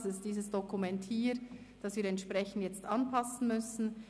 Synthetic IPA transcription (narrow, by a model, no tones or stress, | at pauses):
sɪstd̥iːzəsd̥okumɛnthiːɾ | d̥ɑsviːɐɾɛntʃpʁɛçn̩tjɛt͡stʔɑnpʰɑsn̩mʏsn̩